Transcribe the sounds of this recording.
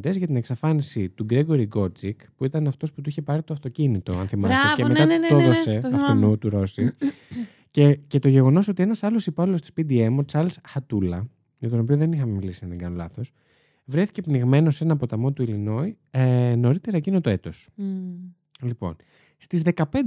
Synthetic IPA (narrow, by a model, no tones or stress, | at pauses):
d̪ezʝɐt̪ine̞ksɐfɐnisit̪uɡɾe̞ɣo̞ɾiɡo̞ɾd͡zikpuit̪ɐnɐft̪o̞sput̪uiçe̞pɐɾit̪oɐft̪o̞cinit̪o̞̰ɐ̰nθimɐsicemeɐoðoseɐft̪onut̪uɾo̞si | cece̞t̪o̞ʝe̞ɣo̞no̞so̞t̪ie̞nɐsɐlo̞sipɐlilost̪i̥spid̪ie̞mot͡sɐɾlsxɐt̪ulɐ | jɐt̪o̞nopioðe̞nixɐmemilisinɐnðeŋɡɐno̞lɐθo̞s | vɾe̞θi̥ce̞pniɣme̞no̞se̞nɐːpo̞t̪ɐmo̞t̪uilino̞i | no̞ɾit̪e̞ɾɐecinot̪oe̞t̪o̞s | lipo̞̰n | st̪izðe̞kɐpe̞nd̪